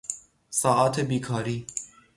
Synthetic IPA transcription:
sˤɑːʔɑːt̪ʰbiːkʰɑːɾiː

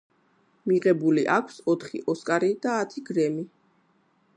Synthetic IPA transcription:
miʁɛbuliʔakʷʰsɔt̪ʰχḭʔɔskʼaɾid̪aːt̪ʰiɡɾɛmi

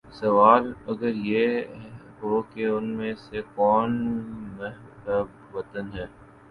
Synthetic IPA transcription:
sɐʋaːlɐɡəɾje | ɦokeʊnmẽsekɔːnmɛɦ | b | ʋɐt̪ənɦɛː

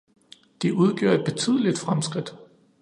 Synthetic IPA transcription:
d̥iʔuð̞ˠɡ̥jo̰ɐ̰e̝d̥̚b̥e̝t͡sʰyð̞̰ˠəlid̥fʁamsɡ̥ʁid̥

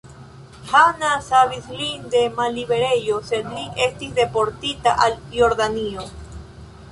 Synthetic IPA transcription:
hanasaβislind̪emaliβeɾejosedliʔest̪isd̪e̞po̞ɾt̪it̪aʔaljo̞ɾdanio

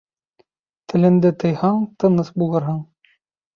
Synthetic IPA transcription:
t̪ɘ̆lɘ̆nd̪ɘt̪ɤ̆jhɑɴt̪ɤ̆nɤsbulˠɤɾɦɤɴ

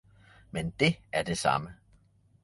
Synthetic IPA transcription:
mend̥e̝æɐd̥e̝sɑ̈mə

